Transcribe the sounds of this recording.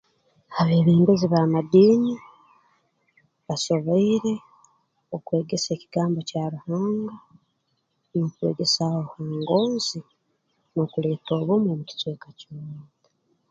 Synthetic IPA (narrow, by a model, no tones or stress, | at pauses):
aβe̞ːβiːŋɡoziβamad̪iːni | βaso̞βoiɾe̞ | okwe̞ːɡe̞se̞ːciɡaːmbo̞caːβuhaːŋɡa | no̞kwe̞̰ɡe̞sawohaːŋɡo̞ːnzi | no̞kule̞ːtoːβomoβuti̥twe̞ːkacimuː | a